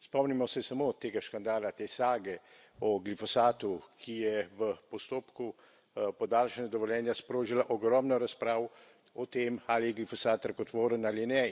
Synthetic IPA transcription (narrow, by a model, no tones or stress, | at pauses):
spɔmnimɔsɛsamot̪eːɡaʃkand̪aːlat̪eːsaːɡɛ | ɔɡlifɔsaːt̪ukʰijɛʋəpɔst̪oːpku | pɔd̪aːlʃɛnd̪ɔʋɔljɛːnjaspɾoːʒilaʔɔɡɾɔːmnɔɾaspɾaːw | ɔt̪eːmalijɛɡlifɔsaːt̪ɾakɔt̪ʋoːɾənalinɛ